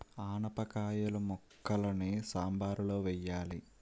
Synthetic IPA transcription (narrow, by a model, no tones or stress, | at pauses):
aːnɐpɐkaːjɐlɐmɔkːɐlɐneːsaːmbaːɾuloːʋɛjːaːli